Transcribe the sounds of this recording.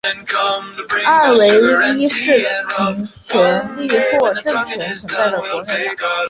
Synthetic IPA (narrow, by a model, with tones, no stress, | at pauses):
a˥˩we˧˥ɪ˥i˥ʂɻ̩˥˩pʰi˧˥ŋt͡ɕʰɥɛ˧˥nli˥˧xwɔ˥˧ʈ͡ʂɤ˥˩ŋt͡ɕʰɥɛ˧˥nʂʰwə˧˥nt͡sa˥˩ɪd̪ə˩kwɔ˧˥ʂə˨˩˦